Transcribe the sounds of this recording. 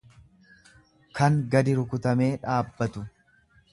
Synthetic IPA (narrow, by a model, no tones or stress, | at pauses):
kɐŋɡɐd̪ɪɾʊkʊt̪ɐme̞ːᶑaːbːɐt̪ʊ